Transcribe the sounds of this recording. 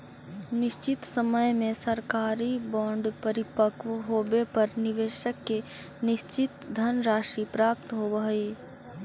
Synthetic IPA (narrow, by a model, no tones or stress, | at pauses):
nɪʃt͡ʃɪt̪səməjmẽsəɾkaːɾibɔ̃ːɳɖpəɾɪpəkʋɦoːbepəɾnɪʋeːʃəkːe | nɪʃt͡ʃɪt̪d̪ʱɐnɾaːʃipɾaːp̚t̪ɦoʋəɦeː